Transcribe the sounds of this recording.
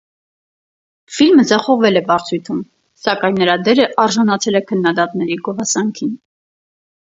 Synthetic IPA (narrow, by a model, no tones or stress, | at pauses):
filməd͡zɑχɔʁvɛlɛbɑɾt͡sʰujt̪ʰum | sɑkɑjnːəɾɑd̪ɛɾəʔɑɾʒɑnɑt͡sʰɛlɛkʰənːɑd̪ɑt̪nɛɾiɡɔvɑsɑŋkʰin